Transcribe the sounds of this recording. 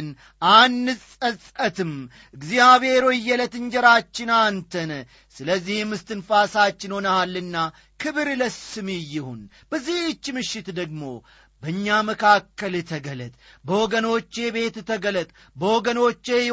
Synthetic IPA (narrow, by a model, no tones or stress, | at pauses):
n | ʔanːɨsʼəsʼət̪ɨm | ɨɡzijaβe̞ɾoɪjːɛlət̪ɨɲd͡ʒɛɾat͡ʃːɪnant̪ʰən | sɨləzːihmːɨst̪ɨnfasat͡ʃːɪnho̞nəhalːɨnːa | kʰɨβɨɾləsɨmijːɪhun | bəzːiht͡ʃːmɨʃːɪt̪d̪əɡ̚mo̞ | bəɲːaməkʰakːəlt̪ʰəɡələt̪ʼbəwɔɡəno̞t͡ʃːe̞be̞t̪t̪ʰəɡələt̪ʼ | bəwɔɡəno̞t͡ʃːe̞